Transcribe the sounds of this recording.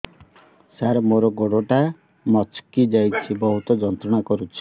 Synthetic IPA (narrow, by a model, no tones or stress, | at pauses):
saɾɔmoɾɔɡoɽoʈa | mɔt͡ʃkid͡ʒajt͡ʃʰibɔɦut̪ɔd͡ʒɔnt̪ɾɔɽ̃akɔɾut͡ʃʰi̥